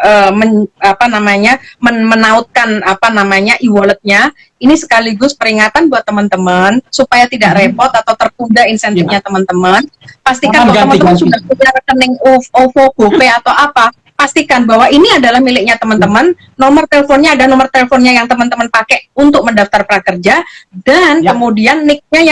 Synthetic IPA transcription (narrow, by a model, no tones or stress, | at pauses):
ʔəːməapanamaɲamənmənaʊt̪̚kanapanamaɲaʔiwalət̪̚ɲa | inisə̥kaliɡʊspəɾiŋat̪anbuat̪ːəmənt̪əmənsupajat̪idaʔrepɔt̪at̪awt̪ərkundainsɛnt̪ɪfɲat̪əmənt̪əmənpast̪ikatəmənt̪əmənsuɡahpuɲarəkənɪŋuofokupeat̪awapa | past̪ikanbaɦwainiadalahmilɪk̚ɲat̪əmənt̪əmənː | omərt̪eləfonɲaːdanomərt̪eləfonɲajaŋt̪əmənt̪əmənpakɛʔunt̪ʊk̚məndaft̪arpəɾakərd͡ʒadankəmudianːɪk̚ɲaja